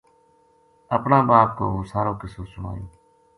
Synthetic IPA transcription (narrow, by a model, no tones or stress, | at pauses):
əpɳãːbaːpko̰ːoːsaːɾoːkɪsoːsʊɳa̰ːjoː